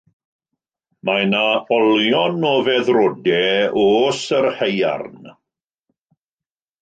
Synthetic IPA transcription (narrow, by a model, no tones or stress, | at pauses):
majnaɔljɔnɔːvɛðrɔdɛosərheja̰rn